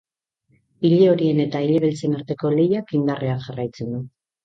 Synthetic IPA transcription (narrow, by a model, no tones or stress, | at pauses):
iʎeo̞ɾie̞ne̞t̪aiʎeβelt͡se̞naɾt̪e̞ko̞le̞jakind̪areanʝarajt͡se̞nd̪u